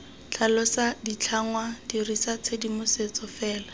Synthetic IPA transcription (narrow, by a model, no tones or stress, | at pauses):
t͡ɬʰalɔsadit͡ɬʰaŋwadirisat͡sʰedimʊset͡sɔfɛːla